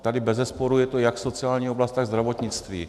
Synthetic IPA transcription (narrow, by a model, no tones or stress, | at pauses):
t̪adɪbɛzɛspo̞ɾujɛt̪ojakso̞t͡sɪaːlɲiːoblast̪t̪aɣzd̪ɾavo̞t̪ɲɪt͡st̪vḭː